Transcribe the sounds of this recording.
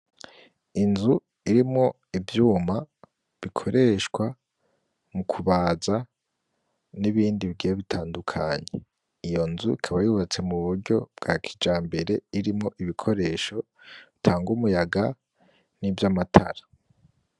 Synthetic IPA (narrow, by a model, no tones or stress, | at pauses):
inzu | iɾimŋo̞ | ivjuːma | βikʰo̞ɾe̞ʃkwa | mukʰuβaːza | niβiːndiβiɡijeβitʰaːndukʰa̰ɲḛ | ijo̞nzuikʰaβajuːβat͡se̞muβuɾɟo̞b̥̚ɡ̥akʰi̥d͡ʒaːmbe̞ɾe̞iɾimŋo̞ʔiβikʰo̞ɾe̞ːʃo̞ | itʰaːŋɡumujaɡa | nivjamatʰa̰ɾa